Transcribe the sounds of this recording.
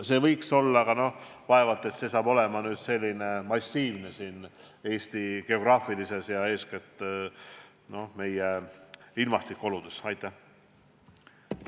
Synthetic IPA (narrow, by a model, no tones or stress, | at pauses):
se̞ːvɤjkso̞lːɑɡ̥ɑno̞hvɑe̞vɑt̪ːˑe̞t̪se̞sɑːb̥o̞le̞mɑnyːd̪̥se̞lʲːine̞mɑsʲːiːvnesiːne̞ːsʲt̪iɡ̥e̞o̞ɡ̥rɑːfilise̞sjɑe̞ːsket̪ːˑ | no̞hme̞jeilmɑst̪ikːˑo̞lud̪̥esɑjt̪ˑːæ